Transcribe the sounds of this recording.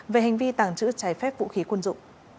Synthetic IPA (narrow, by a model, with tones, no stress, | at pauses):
ve˨˩ɦa˨˩jŋ̟vi˧t̪aː˨˩ŋt͡ɕɨ̰˧˥t͡ɕaː˨˧˩jfɛ˦˥p̚vṵ˧˨xi˨˦kwə˧nzʊ̰˧˨ŋ͡m